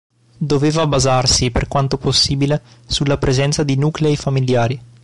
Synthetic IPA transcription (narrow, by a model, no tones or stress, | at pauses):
d̪oveːvabazarsipḛrkwant̪oposːiːbilesulːapɾezɛnt̪sad̪inuːkleifamiljaːɾi